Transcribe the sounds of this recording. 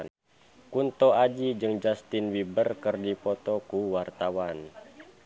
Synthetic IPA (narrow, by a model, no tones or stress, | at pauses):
kunt̪ɔad͡ʒid͡ʒɨŋd͡ʒast̪inwibərkɨrdipɔt̪ɔkuwart̪awan